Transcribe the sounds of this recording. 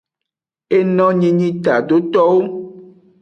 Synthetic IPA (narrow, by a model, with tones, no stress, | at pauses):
e˦nɔ̃˦ɲĩ˦ɲĩ˦t̪a˨ɖ̪o˦t̪ɔ˦wo˦